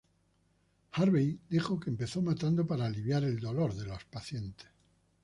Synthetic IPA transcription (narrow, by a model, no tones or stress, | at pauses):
haɾβijd̪ixo̞ke̞ːmpe̞θo̞mat̪and̪opaɾaːliβjaɾe̞ld̪o̞lo̞ɾðe̞lospaθje̞nt̪e̥s